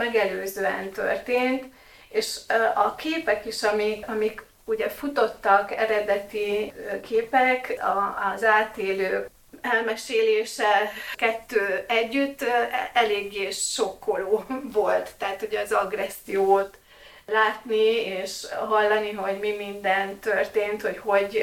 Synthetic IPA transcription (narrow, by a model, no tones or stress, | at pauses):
mɛɡɛløːzøːɛnt̪ø̰rt̪eːnt̪ | eːʃɒkʰeːpɛkiʃɒmiɒmik | uɟɛfut̪o̞t̪ːɒkɛɾɛd̪ɛt̪ikʰeːpɛkɒzaːt̪eːløː | ɛlmɛʃeːleːʃɛkɛt̪ːøːɛɟːyt̪ːɛleːɡːeːʃʃo̞kːoloːvo̞lt̪ːɛɦːt̪uɟɛɒzɒɡrɛsːijoːt̪ | laːt̪nieːʃɦɒlːɒniɦo̞ɟmimind̪ɛnt̪ːørt̪eːnt̪ho̞cho̞ɟ